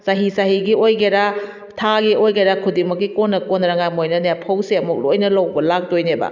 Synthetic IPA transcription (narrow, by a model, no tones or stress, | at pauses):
saɦisaɦiɡiojɡeɾa | tʰaɡiojɡeɾakʰudimɐkːikonːɐkonːɾɐŋajmojnɐnapʰawseɐmuk̚lojnɐlɐwbɐlak̚dojnebɐ̰